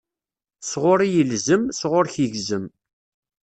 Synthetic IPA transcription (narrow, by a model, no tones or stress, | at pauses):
sʁʊɾijəlzəmsʁʊɾçəʝzəm